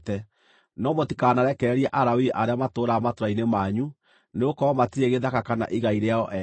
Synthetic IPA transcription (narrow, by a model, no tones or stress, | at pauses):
tɛ | nɔmotikaːnaɾɛkɛːɾiɛʔaɾawiʔaɾeamatoːɾamatoɾainemaːɲu | neokɔɔmatiɾeɣeðakakana̰ʔiɣaiɾeaɔʔɛ